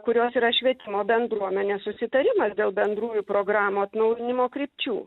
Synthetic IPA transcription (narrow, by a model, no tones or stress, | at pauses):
kʊɾʲoːsiːɾɐʃʲʋʲiɛt̪ʲɪmoːbʲɛnd̪ɾuɔmʲɛnʲeːssʊsʲɪt̪ɐɾʲɪmɐsd̪ʲeːlˠbʲɛnd̪ɾuːjupɾoːɡɾɑːmoːɐt̪nɐʊjɪnʲɪmoːkɾʲɪpʲt͡ʃʲṵː